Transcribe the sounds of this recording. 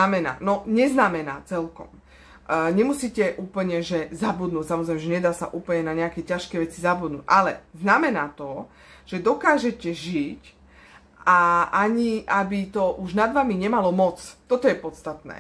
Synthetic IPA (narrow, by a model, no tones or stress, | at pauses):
amɛna̰ːnɔɲɛznamɛna̰ːt͡sɛlkɔ̰m | ɲɛmusiːcɛʔuːpl̩ɲɛʒɛzabud̪nuːcsamɔzɾɛɪmɛʒɛɲɛd̪aːsa̰ʔuːpl̩ɲɛnaɲɛakɛcaʃkɛjʋɛt͡sizabud̪nṵːcʔalɛ̰znamɛnaːt̪ɔ | ʒ̥ɛd̪ɔkaːʒɛcɛʒic | ʔaaɲiʔabit̪ɔʔuʒnad̪ʋamiɲɛmalɔmɔt͡st̪ɔt̪ɔjɛpɔt̪t͡st̪at̪nɛ̰ː